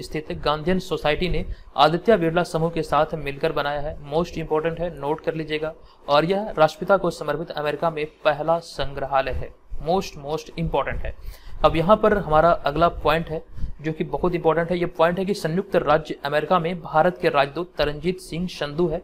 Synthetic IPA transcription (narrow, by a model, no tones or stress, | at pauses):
st̪ʰɪt̪ɡãːnd̪ʱjənsoːsaːɪʈinea̰ːd̪ɪt̪jaʋiːɾlasɐmukesaːt̪ʰmɪlkəɾbɐnaːjaɦɛmoːsʈɪ̃mpɔːɾʈə̃ɳʈɦɛnoːʈkɐɾliːd͡ʒeːɡaː | ɔːɾjɐɦɾaːʃʈəpɪt̪akosɐməɾpʰɪt̪ɐ̰meːɾɪkamẽpɛɦlasɐ̃ŋɡɾəɦaːleɦɛ̰ːmoːsʈmoːsʈɪ̃mpɔːɾʈə̃ɳʈɦɛ̰ːɐbjɐɦãpɐɾɦɐmaːɾaʔɐɡlapɔːɪ̃ɳʈɦɛd͡ʒoːkibɐɦʊt̪ɪ̃mpɔːɾʈə̃ɳʈɦɛjepɔ̃ːɪ̃ɳʈɦɛk̬isɐ̃njʊk̚t̪ɾaːd͡ʒjəɐmeːɾɪkamẽbʱaːɾət̪keɾaːd͡ʒd̪uːt̪ːɐɾə̃ɲd͡ʒiːt̪sɪ̃ŋɡʃɐ̃nd̪uɦɛː